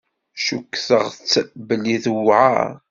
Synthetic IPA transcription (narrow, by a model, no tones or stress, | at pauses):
ʃukːθəʁt͡sːbəlːiθwʕa̰